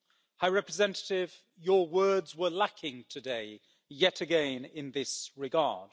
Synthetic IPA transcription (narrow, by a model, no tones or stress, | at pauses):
haɪɹɛpɹɨzɛ̃ntə̥tɪv̥ | jəwɜːdzwə˞lakʰɪ̃ŋtʰɨdeɪ | jɛtɨɡɛ̃nɪ̃nðɪsɹɪɡɑ̰ːd̥